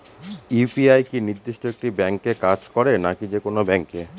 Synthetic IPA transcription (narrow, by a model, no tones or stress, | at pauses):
ipiajkiniɾd̪ːiʃʈoek̚ʈibɛŋkekad͡ʑkɔɾenakid͡ʑekonobɛŋke